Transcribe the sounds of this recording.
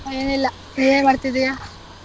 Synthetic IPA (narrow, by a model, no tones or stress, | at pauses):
eːnilːɐ | eemaːɽt̪id̪ijaː